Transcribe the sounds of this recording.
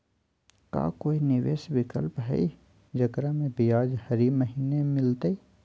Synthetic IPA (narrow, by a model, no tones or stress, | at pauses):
ka̰ːkoːinɪʋeːʃʋɪkəlpɦɛ̰i | d͡ʒɐɡɾamẽbijaːd͡ʒhɐɾiməɦiːnemɪlt̪ai